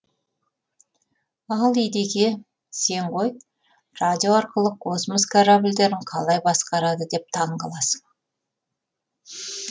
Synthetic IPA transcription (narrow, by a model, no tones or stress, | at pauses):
ɑlˠijd̪ekʲe̞ | se̞ɴʁo̞j | rad̪ʲio̞ɑɾqəlˠəqʰo̞sməskʰaɾabɪlʲd̪e̞ɾɪɴqʰɑlˠɑjbɑsqɑɾɑd̪əd̪e̞p̚t̪ʰɑɴɢɑlˠɑsə̥ɴ